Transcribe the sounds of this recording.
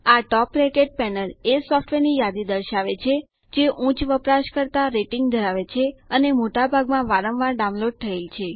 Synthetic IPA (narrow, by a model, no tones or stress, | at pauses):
aʈɔpɾekeʈ̚pɛnəlesɔfʈʋenijad̪id̪əɾʃaʋet͡ʃʰe | d͡ʒeʔũt͡ʃʋəpɾaʃkəɾt̪aɾeʈiŋɡ̚d̪ʱəɾaʋet͡ʃʰeənemoʈabʱaɡmãʋaɾəmʋaɾɖãw̃loɖ̚t̪ʰəelt͡ʃʰe